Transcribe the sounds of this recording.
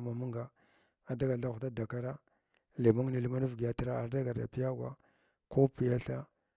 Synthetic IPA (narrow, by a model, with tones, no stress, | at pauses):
ma˨mu˦ŋɡa˨ | a˨da˦ɡa˨lda˦xu˨ta˦da˨ka˦ɾa˦ | le˨ma˦ŋ˦ni˨li˦ma˦nu˦vɡi˨ja˨tɾa˦a˨ɾda˦ɡa˨ɾda̰˨pi˦ja˦ɡwa̰˦ | ko˦pi˨ja˦ɬa˦